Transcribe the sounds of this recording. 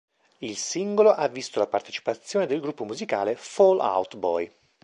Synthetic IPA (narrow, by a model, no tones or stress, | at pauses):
ilsiŋɡoloʔavːist̪olapart̪e̥t͡ʃi̥pat̪sːjoːned̪elɡɾupːomuzika̰ːlefɔla̰wt̪bɔ̰j